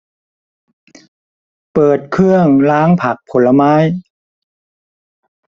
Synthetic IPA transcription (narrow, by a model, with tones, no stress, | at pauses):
pɤː˨˩t̪̚kʰɯ˥˩əŋlaː˦˥ŋpʰa˨˩k̚pʰo˩˦lːa˧maː˦˥j